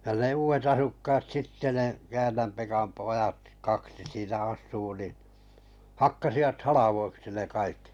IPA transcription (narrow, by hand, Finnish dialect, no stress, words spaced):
jɑ ne uːʋet ɑsukːɑːt sitːe ne kæːnːæm pekɑm poj̆ɑt kɑksi siːnæ ɑsˑuː nin̞ hɑkːɑsiʋɑt hɑlɑʋoiksi ne kɑikːi